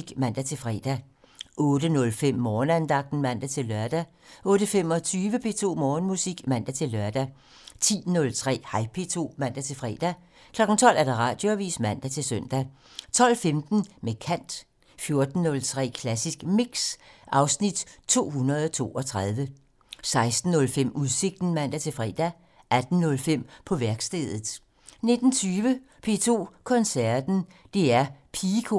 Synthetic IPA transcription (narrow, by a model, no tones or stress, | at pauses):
iɡ̥mæn̰d̥æt͡sʰe̝fʁɛ̰ːd̥æ | ʔɔ̽ːd̥ənɔ̽lfem̰ːɒːnænd̥ɑ̈ɡ̥̚d̥n̩mæn̰d̥æt͡sʰe̝lːɶɐd̥æ | ʔɔ̽ːɾ̥əfemɒ̽t͡sʰyːʋəpʰe̝̰ːt͡sʰo̝̰ːmɒːnmusiɡ̥mæn̰d̥æt͡sʰe̝lːɶɐd̥æ | t͡sʰḭːnɔ̽lt͡sʰʁɛ̰ːhɑ̈ɪpʰe̝ːt͡sʰo̝̰ːmæn̰d̥æt͡sʰe̝lfʁɛ̰ːd̥æ | kʰlɒ̽ɡ̥n̩t͡sʰɒ̽l̰ʔæɐd̥ɑ̈ʁɑ̰̈d̥jo̝æʋḭːsmæn̰d̥æt͡sʰe̝lsœn̰d̥æ | t͡sʰɒ̽l̰femd̥n̩mekʰæn̰d̥ | fjo̝ɐd̥n̩ːɔ̽lt͡sʰʁɛ̰ːkʰlæsisɡ̥miɡ̥sʔɑ̈ʊsnid̥t͡sʰo̝̰ːɦunɐð̞ˠt͡sʰo̝̰ːɒ̽t͡sʰʁɑð̞ˠʋə | sɑ̈ɪsd̥n̩ːɔ̽lfem̰uðˠse̝ɡ̥̚d̥n̩mæn̰d̥æt͡sʰe̝lfʁɛ̰ːd̥æ | ʔæd̥n̩nɔ̽lfem̰pʰɒ̽ʋæɐɡ̥sd̥eːð̞̰ˠð̩ˠ | ne̝d̥n̩t͡sʰyːʋə | pʰe̝̰t͡sʰo̝̰ːkʰɒ̽nsæɐd̥n̩ | d̥e̝æɐpʰikʰo̝